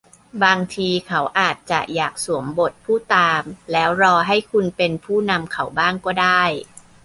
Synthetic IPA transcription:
baː˧ŋt̪ʰiː˧kʰa˦˥wʔaː˨˩t̪̚t͡ɕa̰˨˩ʔjaː˨˩k̚su˩˦əmbo˨˩t̪̚pʰuː˥˩t̪aː˧mlɛː˦˥wɾɔː˧ɦa˥˩jkʰu˧npe˧npʰuː˥˩na˧mkʰa˩˦wbaː˥˩ŋkɔː˥˩daː˥˩j

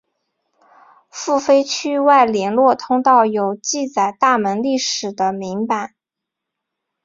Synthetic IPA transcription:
fu˥˩fe˥ɪt͡ɕʰy˥wa˥˩ɪljɛ˧˥nlwɔ˥˩t̪ʰʊ˥ŋt̪ɑ˥˩ʊjo˨˩ʊt͡ɕi˥˩t͡sa˨˩ɪt̪a˥˩mə˧˥nli˥˩ʂɻ̩˨˩d̪ə˦mi˧˥ŋpa˨˩˦ɪ˦n

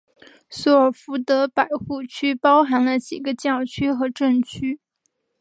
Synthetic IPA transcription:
sɔ˧˥ə˞˨˩fu˧˥t̪ɤ˧˥pa˨˩ɪxu˥˩t͡ɕʰy˥pɑ˥ʊxa˧˥nlə˧t͡ɕi˨˩ɡə˦t͡ɕjɑ˥˩ʊt͡ɕʰy˥xɤ˧˥ʈ͡ʂə˥˩nt͡ɕʰy˥

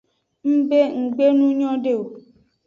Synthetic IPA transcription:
m̩˦be˦ŋ̩˨ɡ͡be˦nũ˦ɲɔ̃˦ɖe˦o˨

